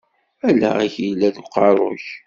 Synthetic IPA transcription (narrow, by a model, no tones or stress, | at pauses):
ælæ̰æçjilːæðqɑɾˤo̰ç